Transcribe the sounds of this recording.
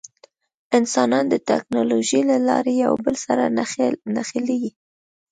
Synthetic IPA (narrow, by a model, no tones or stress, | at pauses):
ɪnsɑnɑnd̪ət̪a̰knoloʒilalɑ̰ɾeja̰wbəlsaɾanaxəleɡi